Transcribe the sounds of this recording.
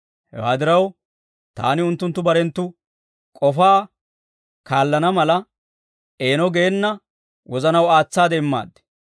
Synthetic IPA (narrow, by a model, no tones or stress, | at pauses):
hɛ̰wa̰ːd̪ɪɾɐw | t̪a̰ːnɪʊnt̪ːʊnt̪ːʊbɐɾɛnt̪ːʊ | kʼɔfaː | kaːlːɐnɐmɐlɐ | ʔe̞ːnɔɡeːnːɐ | wʔɔzɐnɐwaːt͡sːaːd̪ɛɪmːa̰ːd̪ːɛ̥